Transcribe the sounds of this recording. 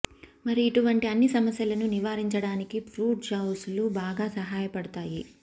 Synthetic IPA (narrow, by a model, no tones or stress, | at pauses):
mɐɾiːʈuʋɐɳʈiɐnːisɐmɐsjɐlɐnuniʋaːɾiɲt͡ʃɐɽaːnikipʰɾuːʈ̚d͡ʒɐwslubaːɡaːsɐɦaːjɐpɐɽɐt̪aːji